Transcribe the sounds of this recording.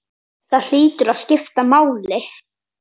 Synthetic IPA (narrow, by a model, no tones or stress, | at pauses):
θaðl̥iːt̪ʏɾaðscɪft̪amaːwlɪ